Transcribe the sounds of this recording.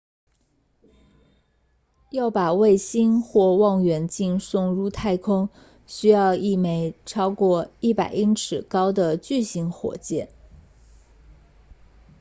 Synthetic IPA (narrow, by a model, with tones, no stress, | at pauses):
jɑ˥˩ʊpa˨˩we˥˩ɪɕi˥nxwɔ˥˧wɑ˥˩ŋɥɛ˧˥nt͡ɕi˥˧nsʊ˥˧ŋɻu˥˧t̪ʰa˥˩ɪkʰʊ˥ŋ | ɕy˥jɑ˥˧ʊi˥˩me˧˥ɪʈ͡ʂʰɑ˥ʊkwɔ˥˧i˥˩pa˨˩ɪʔi˥ŋʈ͡ʂʰɻ̩˨˩kɑ˥ʊd̪ə˨t͡ɕy˥˩ɕi˧˥ŋxwɔ̰˨˩t͡ɕjɛ˥˩n